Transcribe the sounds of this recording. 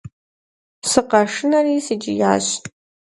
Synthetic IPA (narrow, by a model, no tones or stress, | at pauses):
sɨqɐʂɨnɐriːsɨd͡ʒɪja̰ːɕ